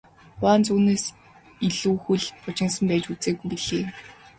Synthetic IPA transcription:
waːnt͡suːneːs | iɮuːxuɮpʊt͡ɕɪ̆ŋsə̆mpæːt͡ɕut͡seːɡujpiɮ̥eː

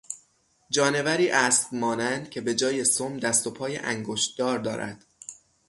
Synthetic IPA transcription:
d͡ʒɒːne̞væɾiːʔæːsbmɒːnænd̪̥̚cʲʰe̞be̞d͡ʒɒːje̞somd̪æst̪o̞pʰɒːjḛʔæŋɡoʃt̪d̪ɒːɾd̪ɒːɾæ̰d̪̥

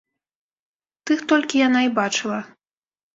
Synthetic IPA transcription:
t̪ɨxt̪ɔlʲkʲijanaibat͡ʂɨlˠɐ

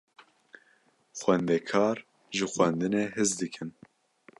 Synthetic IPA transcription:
xwɛnd̪ɛkʰɑːɾ | ʒɨxwɛnd̪ɨnehɨzd̪ɨkʰɨn

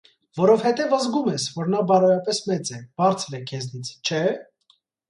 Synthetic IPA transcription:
vɔɾɔvhɛt̪ɛvəzɡumɛsvɔɾnɑbɑɾɛɾɑpɛsmɛt͡sɛb̥ɑɾt͡sʰɾɛkʰɛznit͡sʰt͡ʃʰɛ

